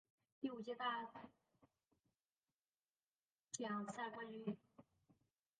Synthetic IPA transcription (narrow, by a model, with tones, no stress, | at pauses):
t̪i˥˩u˨˩t͡ɕɛ˥t̪a˥˧ | ʈ͡ʂjɑ˨˩ŋsa˥˩kwa˥ny˧˥